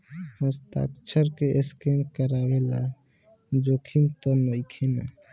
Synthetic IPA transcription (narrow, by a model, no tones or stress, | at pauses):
hə̃st̪a̰k̚t͡ʃʰəɾkeʔeskenkəɾawela̰ | d͡ʒokʰimt̪ɔnojkʰena̰